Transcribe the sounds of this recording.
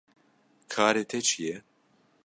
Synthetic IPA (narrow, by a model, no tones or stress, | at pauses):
kʰaːɾeːt̪ʰɛt͡ʃʰijɛ